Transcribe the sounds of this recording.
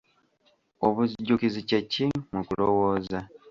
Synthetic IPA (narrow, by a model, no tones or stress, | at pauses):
oβuzɟukizicacːimukulowoːza